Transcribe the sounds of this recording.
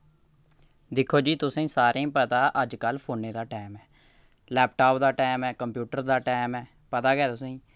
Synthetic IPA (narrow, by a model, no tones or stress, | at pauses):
d̪ɪkʰːoːd͡ʒiːt̪ʊsĩːsaːɾʔẽːpət̪aːʔəd͡ʒkəlpʰoːnːeːd̪aːʈɛːmɛː | lɛːp̚ʈaːpd̪aːʈɛːmɛːkəmpjuːʈəɾd̪aːʈɛːmɛː | pət̪aːɡɛːt̪ʊsĩː